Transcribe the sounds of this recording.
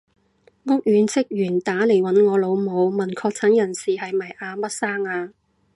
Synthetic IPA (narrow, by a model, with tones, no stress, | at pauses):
ŋʊ˥k̚jyː˨˧nt͡sʰɪ˥k̚jyː˨˩nt̪aː˨˥le˨˩jwɐ˨˥nŋɔː˨˧lo˨˧wmo˨˧wmɐ˨˩nkʰɔː˧k̚t͡sʰɐ˨˥njɐ˨˩nsiː˨hɐ˨jmɐ˨˩jʔaː˧mɐ˥t̚saː˥ŋaː˧